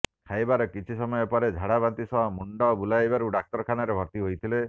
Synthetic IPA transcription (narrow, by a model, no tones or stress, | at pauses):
kʰajbaɾɔkit͡ʃʰisɔmɔjɔpɔɾed͡ʒʱaɽabant̪isɔɦɔmuɳɖɔbulajbaɾuɖak̚t̪ɔɾkʰanaɾebʱɔɾt̪iɦojt̪ʰile